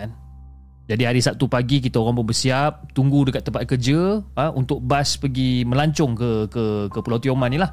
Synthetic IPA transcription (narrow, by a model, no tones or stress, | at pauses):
an | d͡ʒadiɦaɾisap̚t̪upaɡik̬it̪aoɣaŋbəbəsiap̚t̪uŋɡudəkat̪ːəmpat̪̚kərd͡ʒəəunt̪ʊk̚baspəɡimə̃laɲt͡ʃɔŋkəkəkəpulawt̪iomãnilah